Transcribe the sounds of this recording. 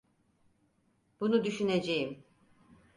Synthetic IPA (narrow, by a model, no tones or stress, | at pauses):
bunud̪yʃyne̞d͡ʒejim